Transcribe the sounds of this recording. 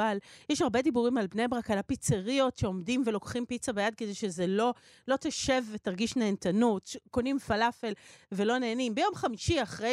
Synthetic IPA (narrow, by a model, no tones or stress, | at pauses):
aljɛʃaʁbe̞dibuʁimalbneabʁakalapit͡seʁio̞tʃeo̞mdimvelo̞kχimpit͡sabejad̪̚kedejʃezelo̞ | lo̞taʃe̞vːetaʁɡiʃneːntanutʃeko̞nimfalafelve̞lo̞ne̞ːnimbejo̞mχamiʃiaχʁe